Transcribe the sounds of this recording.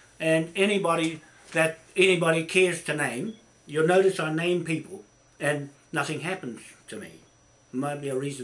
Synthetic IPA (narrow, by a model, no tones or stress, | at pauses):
ɨ̃nɛñibɑɾi | ðɨɾ | ɛnibɑɾikʰɛɹz̥tʰɨnẽɪ̃m | jə˞noʊɾɨsãɪnẽɪ̃mpipl̩ˠ | ɨ̃nː | ʌθɪ̃ŋɦæpn̩z̥tʰɨmḭ | maɪt̚b̥iɨɹiz̃